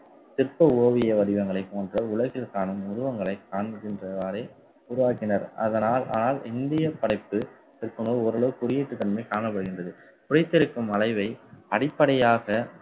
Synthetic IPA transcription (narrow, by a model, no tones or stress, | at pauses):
t̪ɪrpɐoːʋɪjɐʋɐɽɪʋɐŋɡɐɭɐɪpːoːndrɐʊɭɐɣɪlkaːnɯmʊɾʊʋɐŋɡɐɭɐɪkaːnɣɪndrɐaːɾeː | uːɾʊʋaːkɪnɐɾɐ̰ðɐnaːlʔa̰ːnaːlɪnd̪ɪjɐpɐɽɐɪpːɯ | t̪ɪrpːɯɳoːɔɾɐɭɐʋɯkʊɾɪjeːʈːɯt̪ːɐnmɐɪkaːɳɐp̬ːɐɽɯɣɪndrɐðɯ | kʊɽɐɪt̪ːɪɾɯkːɯmɐlɐɪʋɐɪɐɽɪpːɐɽɐjaːɣɐ